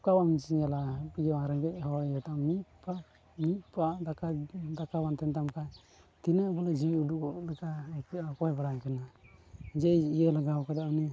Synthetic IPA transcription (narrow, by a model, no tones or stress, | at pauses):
kawamit͡ʃialapiɔaɾɛŋɡɛʔ̚hɔwaɾjɔt̪amipa | mipad̪akad̪akawant̪ɛnt̪amka | t̪inabɔlad͡ʒiiudukɔʔlɛkaɛkɛakɔhɛbaɽaɲkana | d͡ʒɛiəlaɡawkad̪anɛ